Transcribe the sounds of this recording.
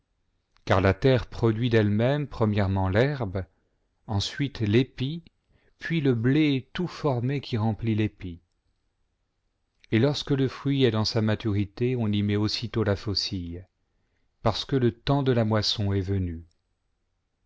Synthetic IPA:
kaʁlat̪ɛʁpχɔd̪ɥid̪ɛlmɛmpχəmjɛʁmɑ̃lɛʁb | ɑ̃sɥit̪lepi | pɥiləblet̪ufɔʁmekʲiʁɑ̃plilepi | elɔʁskələfχɥiɛd̪ɑ̃samat̪yʁit̪eɔ̃nimɛosit̪olafosij | paʁsə̥kələt̪ɑ̃d̪əlamwasɔ̃ɛvəny

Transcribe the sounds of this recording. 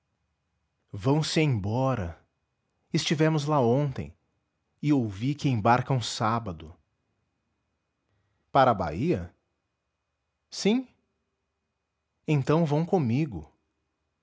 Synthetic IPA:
vɐ̃w̃sɪẽj̃bɔɾɐ | ɪst͡ʃivɛmʊzlaõnt̪ḛ̃j̃ | ɪowvikɪẽj̃baɾkɐ̃ũsabɐd̪ʊ | paɾɐba̰iɐ | sĩ | ẽnt̪ɐ̃w̃vɐ̃w̃kõmiɡʊ̰

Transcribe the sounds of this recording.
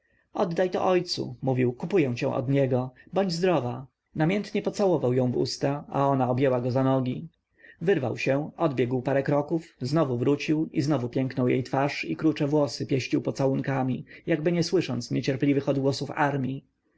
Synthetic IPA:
ɔd̪ːajt̪ɔ̰ʔɔjt̪sṵmuvʲiwkupujɛw̃t͡ɕɛ̰̃w̃ʔɔ̰d̪ɲɛɡɔbɔɲd͡ʑzd̪ɾɔva | namʲjɛnt̪ɲɛpɔt̪sawɔvawjɔ̃w̃vṵst̪aa̰ɔnaɔbjɛwaɡɔzanɔɡʲi | vɘɾvawɕɛɔd̪bʲjɛɡwpaɾɛkɾɔkufznɔvuvɾut͡ɕiwiznɔvupʲjɛŋknɔwjḛjt̪faʂikɾut͡ʂɛvwɔsɘpʲjɛɕt͡ɕiwpɔt̪sawuŋkamʲijaɡbɘɲɛswɘʂɔnt̪sɲɛt͡ɕɛɾplʲivɘxɔd̪ɡwɔsufaɾmʲi

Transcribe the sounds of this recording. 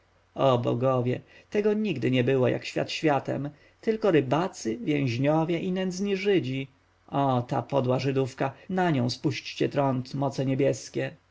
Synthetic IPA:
ɔbɔ̰ɡɔvʲjɛt̪ɛɡɔɲiɡd̪ɘɲɛbɘwɔjʔa̰kɕfʲja̰t̪ɕfʲjat̪ɛ̰m | t̪ɘlkɔɾɘbat̪sɘvʲjɛ̃w̃ʑɲɔvʲjɛʔinɛnd̪zɲiʐɘd͡ʑi | ɔt̪apɔd̪waʐɘd̪ufkanaɲɔ̃w̃spuɕt͡ɕt͡ɕɛt̪ɾɔnt̪mɔt̪sɛɲɛbʲjɛskʲɛ

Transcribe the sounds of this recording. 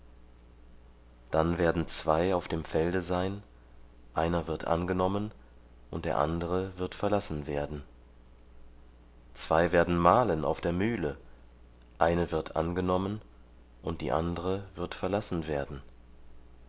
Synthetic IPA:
d̥anveːɐdn̩t͡sv̥aɪaʊfd̥eːmfɛldəzaɪn | ʔaɪnɐvɪɐtʰʔa̰nɡənɔmən | ʔʊnt̚d̥eːɐʔa̰ndəʁəvɪɐtfɛɐlasn̩veːɐdn̩ | t͡sv̥aɪveːɐdn̩maːləna̰ʊfd̥eːɐmyːlə | ʔaɪnəvɪɐtʰʔa̰nɡənɔmən | ʔʊnt̚d̥ḭːʔa̰ndəʁəvɪɐtfɛɐlasn̩veːɐdn̩

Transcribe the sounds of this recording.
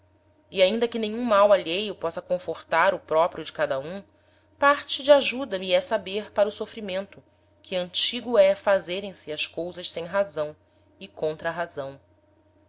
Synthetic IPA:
ɪaĩnd̪ɐkɪnẽɲũmawaʎejʊpɔsɐkõfoɾt̪aɾʊpɾɔpɾijʊd͡ʒɪkad̪ɐũ | paɾt͡ʃɪd͡ʒɪaʒud̪ɐmiɛsabeɾpaɾʊsofɾimẽnt̪ʊ | kʰɪɐ̃nt͡ʃiɡʊɛfazeɾẽj̃sɪɐskowzɐʃsẽj̃ɦazɐ̃w̃ | ɪkõnt̪ɾɐɦazɐ̃w̃

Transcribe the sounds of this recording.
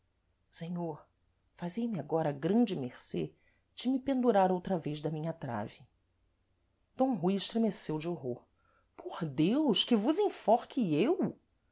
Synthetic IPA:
seɲoɾ | fazejmɪaɡɔɾɐɡɾɐ̃d͡ʒɪmeχse | d͡ʒɪmɪpẽnd̪uɾaɾowt̪ɾɐvezd̪ɐmĩɲɐt̪ɾa̰vɪ | d̪̥õɦujɪʃt̪ɾemesewd͡ʒɪoɦoɾ | pʰoɾd̪ewʃkɪvʊzĩfɔχkɪew

